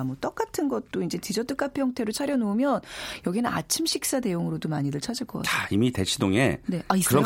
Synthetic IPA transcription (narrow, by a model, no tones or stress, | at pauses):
mot͈ʌk͈atʰɯnɡʌt̚t͈oind͡ʑe̞tid͡ʑʌt͈ɯk͈apʰjʌŋtʰe̞ɾot͡ɕʰaɾjʌnoːmjʌnjʌɡinɯna̰t͡ɕʰimɕʰik̚s͈ane̞joŋɯɾodomaɲidɯɭt͡ɕʰad͡ʑiɭk͈ʌk͈aaimite̞t͡ɕʰidoŋe̞̰ne̞aikɯɾʌ